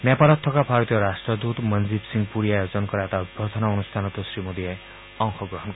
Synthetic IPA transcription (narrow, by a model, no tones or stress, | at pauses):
nepalɔt̪ʰːɔkabʱaɾɔt̪ijɔɾasʈɾɔd̪ut̪mənd͡ʒibsiŋpuɾijajod͡ʒɔnkɔɾet̪abʱɔt̪ʰɔnaunust̪ʰanɔt̪ɔsɾimod̪ie | ɔŋxɔɡɾɔɦɔnkɔ